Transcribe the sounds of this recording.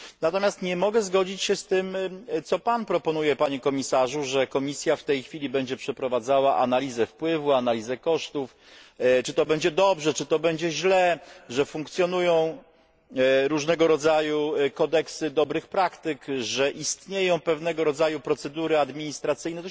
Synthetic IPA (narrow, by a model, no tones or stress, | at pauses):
nat̪ɔmʲjast̪ɲɛmɔɡɛzɡɔd͡ʑit͡ɕɕɛst̪ɘmt̪sɔpanpɾɔpɔn̪ujɛpaɲɛkɔmʲisaʐuʐɛkɔmʲisʲjaft̪ɛjxfʲilʲibɛɲd͡ʑɛpʂɛpɾɔvad̪zawaʔa̰nalʲizɛfpwɘvuanalʲizɛkɔʂt̪uf | t͡ʂɘt̪ɔbɛɲd͡ʑɛd̪ɔbʐɛt͡ʂɘt̪ɔbɛɲd͡ʑɛʑlɛʐɛfuŋk̚t̪sʲjɔn̪ujɔ̃w̃ | ɾuʐnɛɡɔɾɔd̪zajukɔd̪ɛksɘd̪ɔbɾɘxpɾakt̪ɘkʐɛʔist̪ɲejɔ̃w̃pɛvnɛɡɔɾɔd̪zajupɾɔt̪sɛd̪uɾɘad̪mʲiɲist̪ɾat̪sɘjnɛt̪ɔ